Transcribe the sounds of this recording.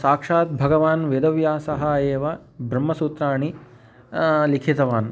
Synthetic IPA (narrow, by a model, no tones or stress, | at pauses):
saːkʂaːt̪̚bʱɐɡɐʋaːnʋed̪ɐʋjaːsɐɦɐjeːʋɐ | bʱɾɐmːɐsuːt̪ɾaːɳi | likʰit̪ɐʋaːn